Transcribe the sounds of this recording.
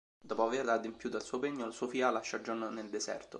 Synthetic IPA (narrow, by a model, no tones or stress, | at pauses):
d̪ɔːpoaverad̪impjuːt̪alsuːopeɲːolsuofiːalaʃːad͡ʒonneld̪ezɛ̰rt̪o